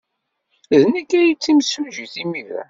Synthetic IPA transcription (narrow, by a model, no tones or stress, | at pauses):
ðnækːæjit͡sːimsuʒiθimiɾæ̰